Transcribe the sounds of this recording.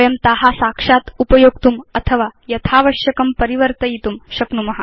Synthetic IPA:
jɐmt̪aɦasakʂat̪upɐjoɡ̚t̪umɐt̪ʰəʋajɐt̪ʰaːʋɐɕjɐkɐmpɐɾiʋəɾt̪əjit̪umɕɐknumɐɦa

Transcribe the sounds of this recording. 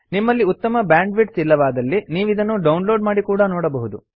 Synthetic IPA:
nimːɐlːiut̪ːɐmɐbjaːɳɖʋiʈsilːɐʋaːd̪ɐlːiniːʋid̪ɐnːuɖɐwunlo̞ːɖmaːɽikuːɽɐnɔːɽɐbɐɦud̪u

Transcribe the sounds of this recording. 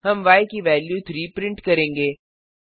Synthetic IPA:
ɦɐmʋaːjkiʋɛːljuːt̪ʰɾiːpɾɪ̃ɳʈkɐɾẽːŋɡeː

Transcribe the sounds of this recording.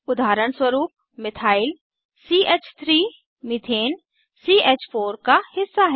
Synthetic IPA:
ʊd̪ʱaːɾəɳ̃swəɾuːp̚ | mɪt̪ʰaːɪl | siːʔeːt͡ʃt̪ʰɾiː | mɪt̪ʰeːn | siːeːt͡ʃpʰoːɾkahɪsːaɦɛ

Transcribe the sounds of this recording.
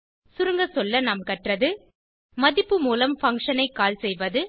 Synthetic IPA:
sʊɾɯŋɡɐsɔlːɐnɐːmkɐʈrɐðɯ | mɐðɪpːɯmuːlɐmfɐŋkʂɐnɐɪkːaːlsɛjʋɐðɯ

